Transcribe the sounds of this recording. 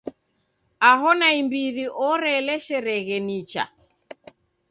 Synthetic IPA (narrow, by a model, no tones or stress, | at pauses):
aɦɔnaimbiɾiʔɔɾɛlɛʃɛɾɛɣɛnit͡ʃa̰